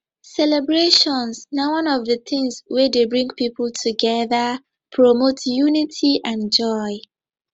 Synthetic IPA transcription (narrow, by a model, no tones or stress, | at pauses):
sɛlɛbɹeʃɔ̃nsnawʌ̃nɔvðəθɪ̃ŋswɛdebɹĩŋɡpipəltʰuɡɛðə | pʰɹɔmotʰjunitʰiʔãnd͡ʒɔɪ